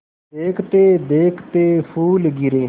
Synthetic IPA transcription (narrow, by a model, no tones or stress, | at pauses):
deːkʰt̪eːd̪eːkʰt̪eːpʰuːlɡɪɾeː